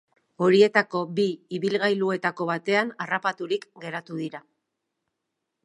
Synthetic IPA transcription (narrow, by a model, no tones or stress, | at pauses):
o̞ɾie̞t̪ako̞biːβilɣajlue̞t̪ako̞βat̪e̞anarapat̪uɾikɡe̞ɾat̪uðiɾa